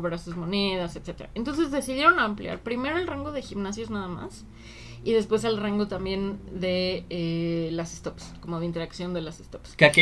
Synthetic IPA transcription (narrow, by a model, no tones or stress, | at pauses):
βɾasuzmo̞neðaset̪se̞t̪eɾa̰ent̪o̞ns̬e̞zðesiðje̞ɾo̞namplja̰ɾpɾime̞ɾo̞elraŋɡo̞ðe̞ximnasjo̞znaðama̰s | iðe̞spwe̞s̬elraŋɡo̞t̪ambje̞nd̪e̞elasest̪o̞psko̞mo̞ðeint̪eɾaksjo̞nd̪e̞lasest̪o̞pskeak